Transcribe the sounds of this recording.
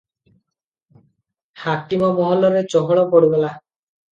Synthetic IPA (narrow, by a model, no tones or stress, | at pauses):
hakimɔmɔɦɔlɔɾet͡ʃɔɦɔɭɔpɔɽuɡala